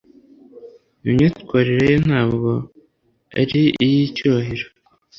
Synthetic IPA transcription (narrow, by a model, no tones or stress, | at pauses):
imɲiːtu̥kwaːɾiɾejon̥haːbɡo̞ | a̰ɾiijicoβaɦiɾo